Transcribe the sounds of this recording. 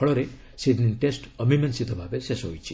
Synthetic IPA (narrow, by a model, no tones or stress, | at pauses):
ɔɭɔɾe | sed̪ninʈesʈəmimensid̪ʰʱɔbʱabesesɦo̰jt͡ʃʰi